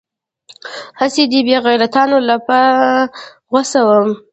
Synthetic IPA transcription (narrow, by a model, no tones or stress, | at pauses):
hasid̪ibjɑɣajɾat̪ɑnolapa | ɣwasawəm